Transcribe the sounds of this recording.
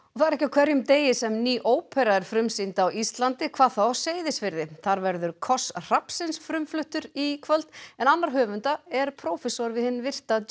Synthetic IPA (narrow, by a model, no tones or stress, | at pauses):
ɔθaðɾɛhcɪawkʰvɛɾjʏmt̪eːjɪsɛmniːʔoːwpʰɛɾaɛɾ̥fɾʏmsint̪awist̪lant̪ɪkʰvaːðθawseːjðɪsfɪɾðɪθaɾvɛɾðʏɾkʰɔsr̥apsɪnsfɾʏmflʏht̪ʏɾikʰvœlt̪ɛnanːaɾ̥ɦœːvʏnt̪aɛɾpʰɾoːwfɛsɔɾvɪðhɪnːvɪr̥t̪a